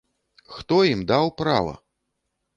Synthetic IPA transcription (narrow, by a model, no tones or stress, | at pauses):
xt̪ɔjimd̪awpɾa̰vɐ̰